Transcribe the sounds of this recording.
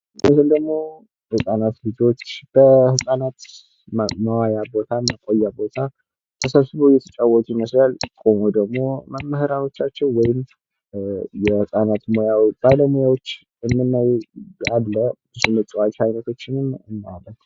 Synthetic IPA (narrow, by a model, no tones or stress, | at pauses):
ʔsɨnd̪əɡmo̞ | hɨsʼanat̪lɨd͡ʒot͡ʃːb̥əhɨsʼanat̪ | məwajabo̞t̪ʰamːəkʼojːabo̞t̪ʰa | t̪ʰəsəβsɨβojɛt̪ʰə̥t͡ʃʼawːɔt͡ʃ̪ʼuməslalkʼo̞mod̪əɡmo̞məmːəhɨɾano̞t͡ʃːat͡ʃːɛwwɔjɪm | jɛhɨsʼanat̪mojawb̥aləmojawot͡ʃː | ɛmːɨnːajadləbɨzumət͡ʃʼiwat͡ʃhajnət̪ʰo̞t͡ʃːɪnɨmmːa̰lət